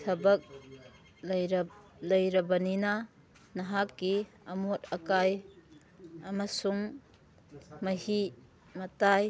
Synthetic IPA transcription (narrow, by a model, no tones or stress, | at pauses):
tʰɐbɐk̚ | ɾ | lɐjɾɐbɐninɐ | nɐɦakːi | ɐmot̚ɐkaj | ɐmɐsuŋ | mɐhi | mɐtaj